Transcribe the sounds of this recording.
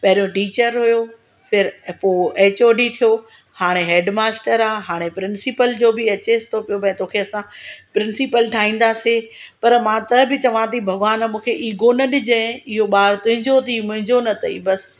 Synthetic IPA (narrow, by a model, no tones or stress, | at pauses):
pɐɦɪɾijoʈiːt͡ɕəɾɦʊjo | pʰɪɾpoːeːt͡ɕoːɖit̪ʰijo | haːɽ̃eɦeːɖmaːsʈəɾaːɦaːɽ̃epɾɪnsɪpəld͡ʑoːbɪɐt͡ɕesɪ̥t̪ʰopijomɐ̃ːt̪oːkʰeɐsãpɾɪ̃nsɪpəlʈʰaːĩːn̆d̪aːsepɐɾmãt̪ɐbɪt͡ɕɐʋ̤ãt̪ʰibʱɐɡʋaːnmũːkʰeʔiːɡonɐɗɪd͡ʑə̃ɪɦoɓaːɾt̪ʊ̃ɦɪ̃ɲd͡ʑot̪ʰimʊ̃ɦɪ̃ɲd͡ʑonɐt̪ʰɐḭbɐs